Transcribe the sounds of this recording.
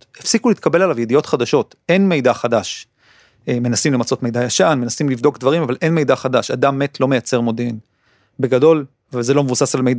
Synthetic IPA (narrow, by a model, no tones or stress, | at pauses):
efsikuliːt̪kabe̞lalavje̞dijo̞t̪χad̪aʃo̞t̪ʔe̞nme̞jd̪aχadaʃ | eme̞nasimlemat͡so̞t̪me̞jd̪ajaʃanme̞nasimlivd̪o̞kd̪vaʁimavalʔe̞nme̞jd̪aχad̪aʃad̪amːe̞t̪ʰlo̞me̞jat͡se̞ʁmo̞d̪en | be̞ɡado̞l | veze̞lo̞mevusasalmejd